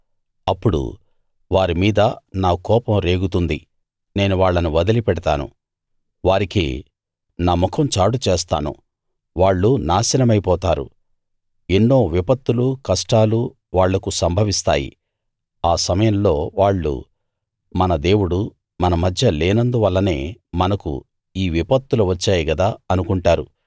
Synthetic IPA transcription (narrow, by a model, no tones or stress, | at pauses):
ɐpːuɽṵ | ʋaːɾimiːd̪ɐnaːkɔːpɐmɾe̞ːɡut̪und̪i | ne̞ːnuʋaːɭːɐnuʋɐd̪ɐlipɛɽɐt̪a̰ːnṵ | ʋaːɾikḭː | naːmɔkʰɐmt͡ʃaːɽut͡ʃeːst̪a̰ːnṵ | ʋaːɭːunaːsɐnɐmɐjpɔːt̪aːɾṵ | enːo̞ːʋipɐt̪ːulukɐʂʈaːlu | ʋaːɭːɐkusɐmbʱɐʋist̪a̰ːjḭ | aːsɐmɐjɐmlo̞ːʋaːɭːṵ | mɐnɐd̪e̞ːwuɽu | mɐnɐmɐd̪ʱjɐleːnɐnd̪uʋɐlːɐne̞̰ːmɐnɐkṵ | iːʋipɐt̪ːuluʋɐt͡ʃːaːjiɡɐd̪aːɐnukuɳʈaːɾu